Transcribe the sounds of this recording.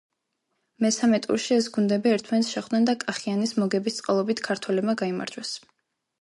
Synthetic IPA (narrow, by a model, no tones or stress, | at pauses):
mɛsamɛt̪ʼṵɾʃiɛsɡund̪ɛbiɛɾt̪ʰmant̪sʃɛχwd̪nɛnd̪akʼaχianismɔɡɛbist̪sʼqʼalˠɔbit̪ʰkʰaɾt̪ʰwɛlɛbmaɡaima̰ɾd͡ʒwɛs